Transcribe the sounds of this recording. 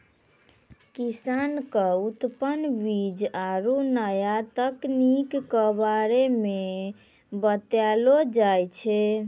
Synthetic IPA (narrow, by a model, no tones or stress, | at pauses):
kisankəut̪pənbid͡ʒaɾunəjat̪əknikkəbaɾeme | bət̪jalod͡ʒajt͡ʃʰɛ